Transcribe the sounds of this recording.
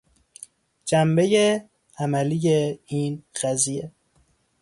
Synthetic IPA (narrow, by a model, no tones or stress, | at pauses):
d͡ʒæmbeje | æmælijeiːnɢ̥æzije